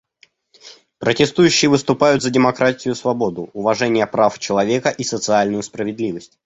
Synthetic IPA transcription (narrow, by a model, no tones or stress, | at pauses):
pɾətʲɪst̪ujʉɕːɪjəvɨst̪ʊpajʊt̪zədʲɪmɐkɾatʲɪjʊsvɐbo̞d̪ʊʊvɐʐɛnʲɪjəpɾaft͡ɕɪlˠɐvʲe̞kəʔisət̪sɨalʲnʊjʊspɾəvʲɪd̪lʲivəsʲtʲ